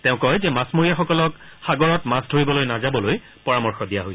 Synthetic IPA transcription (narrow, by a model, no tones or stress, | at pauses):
tɛʊ̃kɔjzɛmasmoɹijaxɔkɔlɔk | xaɡɔɹɔtmasdʱoɹibɔlojnazabɔloj | pɔɹamɔɹxɔdijaɦoj